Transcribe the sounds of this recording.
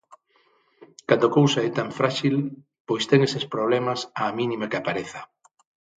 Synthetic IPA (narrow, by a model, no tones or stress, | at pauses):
kand̪okowsaɛt̪aɱfɾaʃil | pojst̪ɛŋesespɾoβ̞lɛmasaːmĩnimakɪapaɾeθɐ̥